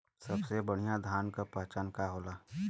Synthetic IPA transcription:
sɐbsebəɽ̤ijad̪ʱaːnkapəɦt͡ʃankaɦoːlaː

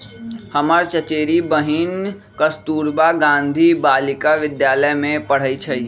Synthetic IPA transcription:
həməɾt͡ʃət͡ʃeːɾibəɦin | kəst̪uːɾbaɡãːnd̪ʱibaːlɪkaʋɪd̪jaːləjmẽpəɽ̤əit͡ʃʰɛi

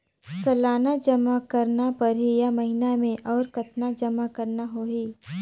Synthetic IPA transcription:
sɐlaːnad͡ʒɐmakɐɾnapɐɾɦijamɐɦɪnamẽʔɔːɾkɐt̪nad͡ʒɐmakɐɾnaɦoːɦiː

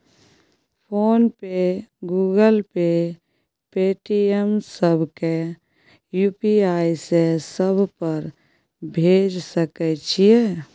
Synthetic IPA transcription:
pʰoːnpeɡuːɡəlpe | peːʈiemsəbʱke | juːpiaːisesəbʱpəɾ | bʱeːd͡ʒsəkɛt͡ʃʰije

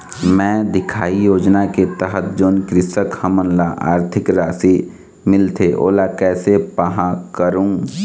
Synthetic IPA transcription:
mɛ̃ːd̪ɪkʰaːijoːd͡ʒnaket̪əɦət̪̚d͡ʒoːnkɾɪsəkhəmənlaʔa̰ːɾt̪ʰɪkɾaːsi | mɪlt̪ʰeʔo̰ːlakɛːsepəɦãkəɾũː

